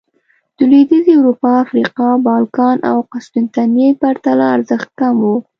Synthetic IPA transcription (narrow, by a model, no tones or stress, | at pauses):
d̪̥əlid̪əzewɾupɑafɾiqɑbɑlkɑnʔa̰wqaspɪnt̪anjepaɾt̪alaːɾzəxt̪̚kamwo